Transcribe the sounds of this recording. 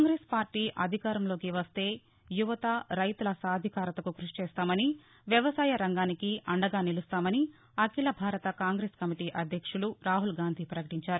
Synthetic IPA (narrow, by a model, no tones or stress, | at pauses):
kːŋɡɾeːspaːɾʈiːʔɐd̪ʱikaːɾɐmlo̞ːkiʋɐst̪e̞ː | juʋɐt̪ɐɾɐjt̪ulɐsaːd̪ʱikaːɾɐt̪ɐkuɡɾuʂi̥t͡ʃɛːst̪aːmɐni | ʋjɐʋɐsaːjɐɾɐŋɡaːnikiɐɳɖɐɡaːnilust̪aːmɐni | ɐkilɐbʱaːɾɐt̪ɐkaːŋɡɾeːskɐmiʈiːʔɐd̪ʱjɐkʂuluɾaːɦulɡaːnd̪ʱiːpɾɐkɐʈiɲt͡ʃaːɾu